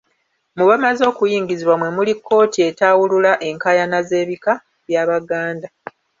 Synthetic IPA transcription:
muβamazo̞ːkujiːŋɟiziβwamwe̞mulikːo̞ːtie̞taːwululaʔe̞ŋkajanaze̞ːβika | βjaːβaɡaːnda

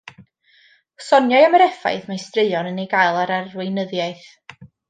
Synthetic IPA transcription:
sɔnjajaməɾɛfa̰jθmajstrɪjɔnənejɡajlˠaɾarwɪjnəðjajθ

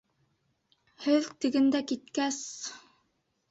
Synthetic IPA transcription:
hɘðt̪ɘ̆ɡɘ̆nd̪ækit̪̚kæs

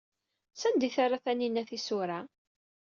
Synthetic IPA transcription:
sænd̪iθaɾaθæninːæθisuɾa

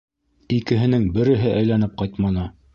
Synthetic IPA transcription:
ikɘ̆ɦɘ̆nɘŋbɘ̆ɾɘ̆ɦɘʔæjlænɘp̚qɑjt̪mɑnɤ

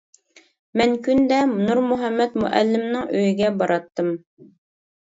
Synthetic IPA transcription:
mæŋkʉnd̪æmnuɾmuɦæmːæt̪mṵʔæ̰lːɘ̆mnɤŋʔɵjɘ̆ɡæbɑɾɑt̪ːɤm

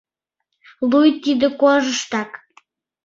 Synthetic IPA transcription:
lujt̪id̪ə̆koʒəʃt̪ɑk

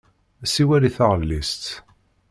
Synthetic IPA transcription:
æsiwæliθaʁəlːist̪

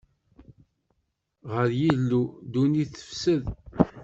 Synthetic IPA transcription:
ʁəɾjilːud̪uniθə̥fsəð

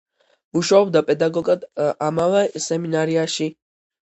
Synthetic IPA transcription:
uʃwaɔbd̪apʼɛd̪aɡɔɡad̪amavɛsɛminaɾiaʃi

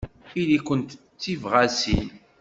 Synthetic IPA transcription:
ilikʷənt̪ | t͡sːivʁæsḭn

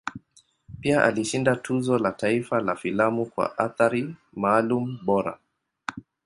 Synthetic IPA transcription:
piaʔa̰liʃindatʰuzɔlataifalafilamukwa̰ʔaθaɾi | maːlum̩ɓɔɾa̰

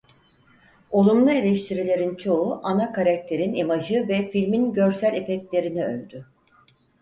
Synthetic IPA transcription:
o̞lˠumlˠɯelʲɛʃt̪ʰiɾilʲe̞ɾint͡ʃʰo̞uʔanakʰaɾak̚t̪ʰe̞ɾinimaʒɯvɛfilʲminɟø̞ɾsælʲe̞fɛct̪lʲe̞ɾiniø̰lʲd̪y

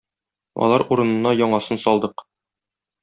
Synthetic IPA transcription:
ɒ̰lˠɑɾuɾɤ̆nɤ̆nːɑjɒɴɑsɤnsɒlˠd̪ɤq

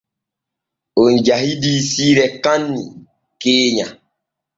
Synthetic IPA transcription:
onɟaɦidisiːɾɛkanːi | keːɲa

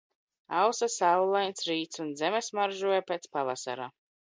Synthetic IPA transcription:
awsasawlˠajnsɾiːt̪sunzɛmɛsmaɾʒuɔjapeːt̪spavasa̰ɾa

